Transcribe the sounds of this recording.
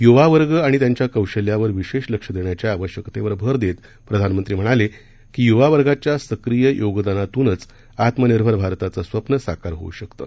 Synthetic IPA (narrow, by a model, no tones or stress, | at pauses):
juʋaʋəɾɡəaɽ̃it̪jaɲt͡ɕjakəwɕəljaʋəɾʋiɕeɕləkʂəd̪eɳjat͡ɕjaːʋəɕjəkt̪eʋəɾbʱəɾd̪et̪ | pɾəd̪ʱanmənt̪ɾiːm̤əɽ̃ale | kiːjuʋaʋəɾɡat͡ɕjasəkɾijəjʔoɡd̪anat̪uːnət͡s | at̪məniɾbʱəɾbʱaɾt̪at͡səsʋəpnəsakaɾɦo̰ṵɕəkt̪ə̰